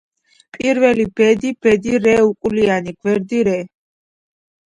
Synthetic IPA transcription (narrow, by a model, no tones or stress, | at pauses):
pʼiɾvɛlibɛd̪ib̥ɛd̪iɾɛukʼulianiɡvɛɾd̪iɾɛ